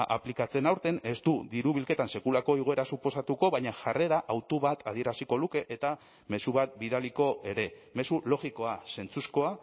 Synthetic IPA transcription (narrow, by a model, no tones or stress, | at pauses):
ʔa̰plikat͡se̞nawɾt̪e̞ne̞st̪ud̪iɾuβilke̞t̪anse̞kulako̞iɣ̞o̞e̞ɾasupo̞sat̪uko̞βaɲaʝare̞ɾaʔawt̪uβat̪að̞ie̞ɾasiko̞luke̞ʔet̪a | me̞suβ̞at̪̚biðaliko̞ʔe̞ɾe̞me̞sulo̞ɣiko̞ase̞nt͡susko̞a